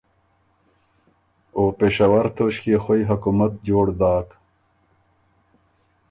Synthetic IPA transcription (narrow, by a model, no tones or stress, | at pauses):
oːpeːʃawɐɾt̪ʰoːɕkeːxojɦɐkumat̪̚d͡ʑoːɽd̪aːk